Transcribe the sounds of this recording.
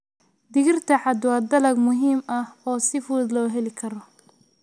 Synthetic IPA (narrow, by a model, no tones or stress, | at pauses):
d̪ɪɣɪrt̪ʰɐħɑd̪wɑːd̪ɐlɐɡmʊɦiːmɐhɔːsɪfuːd̪lɔːɦɛlɪkʰɐɾɔ